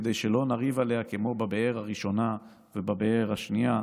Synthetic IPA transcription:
ed̪ejʃelo̞naʁivaleakemo̞babeeʁhaʁiʃo̞na | vebabeeʁaʃnia

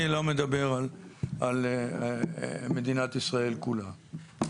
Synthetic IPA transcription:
ilomed̪abe̞ʁalal | med̪inat̪isʁae̞lkula

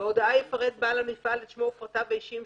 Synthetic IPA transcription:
odaajefaʁed̪̚baːlamifaleʃmofʁataveiʃim

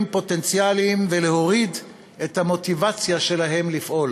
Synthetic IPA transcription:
mpo̞t̪e̞nt͡sjalimveleɦo̞ʁid | et̪hamo̞t̪ivat͡sjaʃe̞laɦe̞mlifʔo̞l

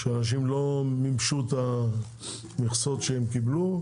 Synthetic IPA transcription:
ʃeanaʃ̬imlo̞mimʃut̪a | miχsot̪ʃeemkiblu

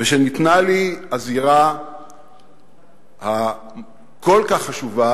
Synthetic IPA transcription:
veʃenit̪naliaziʁa | ha | ko̞lkaχːaʃuva

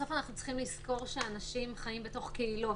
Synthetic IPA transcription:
ofanaχnut͡si̥χimlisko̞ʁʃe̞anaʃimχajimbe̞to̞χkeilu

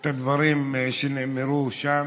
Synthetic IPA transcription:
t̪ad̪vaɾimʃenemeɾuʃa

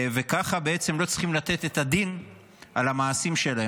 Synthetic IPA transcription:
ve̞kaχabee̞t͡semlo̞t͡sχimlat̪e̞t̪e̞t̪ad̪in | alamaːsimʃe̞lae

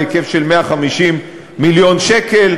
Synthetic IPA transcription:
ekefʃelmeaχamiʃimː | iljo̞nʃekel

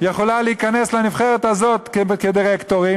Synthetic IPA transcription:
jeχo̞lalehikaneslenifχeʁet̪hazo̞t̪kked̪iʁekt̪oʁi

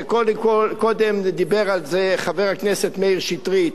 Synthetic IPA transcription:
kodkolkodɛmd̪ibɛʁalzeχavɛʁaknɛsɛtmeʁʃitʁit

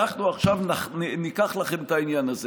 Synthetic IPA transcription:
aχnuaχʃavnannikaχlaχemtainjanaze

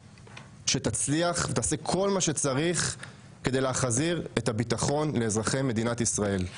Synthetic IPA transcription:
ʃet̪at͡sliaχvet̪aːsekʰo̞lmaʃe̞t͡saʁiχ | ke̞d̪ejleaχziʁet̪abit̪aχo̞nleːzʁaχeme̞d̪inat̪isʁae̞l

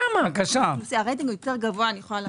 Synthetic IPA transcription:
amakaʃalusiaaʁejt̪iŋɡujot̪e̞ʁɡavoanijeχolal

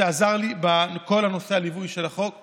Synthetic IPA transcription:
eazaʁlibako̞lhano̞sealivujʃelaχo̞k

